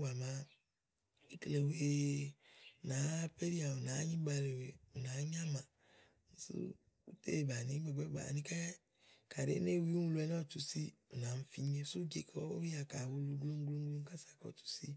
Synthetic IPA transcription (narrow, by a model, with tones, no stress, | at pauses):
wa˨mã˨ | i˦kle˨we˨ | nã˨˦pe˦ɾi˦a˨o˨nã˨˦ɲĩ˦ɡ͡ba˨le˨we˨u˨nã˨˦ɲ˦a˦mã˨ | n̩˨sṵ˦ | ṵ˦tḛ˦˨ba˨nĩ˦ɡ͡bɛ˨ɡ͡bɛ˦ɡ͡ba̰˨nĩ˦ka˦ | ka˨ɾḛ˦ne˦˨wi˦ũ˦lu˨˦ɛ˨˦nã˦˨t͡ʃu˨si˦u˨nã˨m̩˦fi˦ɲ˦e˦su˦d͡ʒe˨kʰɔ˦o˦wi˦a˨ka˨wu˦lu˦ɡlo˦ŋ˦ɡlo˦ŋɡlo˦ŋ˦ka˦sḁ˨kɔ̰˨t͡ʃu̥˨si˦